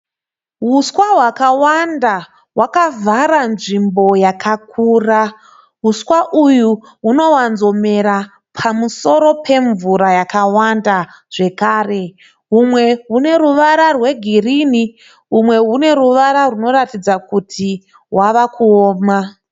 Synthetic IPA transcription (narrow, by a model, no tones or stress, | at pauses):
ɦuskwaɦwakawanda | ɦwakavaɾanʐimbo̞jakʰak̚ʰuːra | ɦuskwaʔuju | ɦuno̞wanzo̞me̞ɾa | pʰamuso̞ɾopʰe̞ɱvuɾajakawanda | ʐ̥e̞kaːre̞ | ɦumwe̞ɦune̞ruʋaɾarwe̞ɡʱirini | ɦumwe̞ɦune̞ruʋaɾaruno̞ratid͡zakutʰi | waʋakuoːma